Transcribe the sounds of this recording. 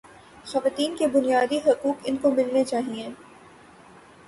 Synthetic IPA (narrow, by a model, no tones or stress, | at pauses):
xɐʋaːt̪iːnkebʊnijaːd̪iɦɐkuːkɪnkomɪlnet͡ʃaːɦiẽː